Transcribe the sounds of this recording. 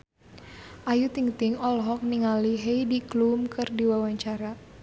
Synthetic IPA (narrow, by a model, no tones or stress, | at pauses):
ʔajut̪iŋt̪iŋɔlɦɔk̚niŋaliɦejdiklumkɨrdiwawaɲt͡ʃaɾa